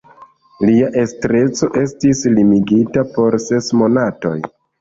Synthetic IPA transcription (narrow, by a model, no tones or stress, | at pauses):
liaʔe̞stɾe̞t͡so̞ʔe̞stislimiɡitapo̞ɾse̞smo̞nato̞̰j